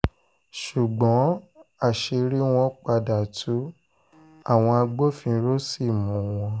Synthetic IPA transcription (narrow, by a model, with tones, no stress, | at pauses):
ʃu˨ɡ͡bɔ̃˨˦a˦˨ʃe˧ɾi˦w̃ɔ̃˧k͡pa˧da˨tu˦ | a˦˨w̃ɔ̃˧a˧ɡ͡bo˦fĩ˧ɾo˦si˦˨mũ˨˦w̃ɔ̃˧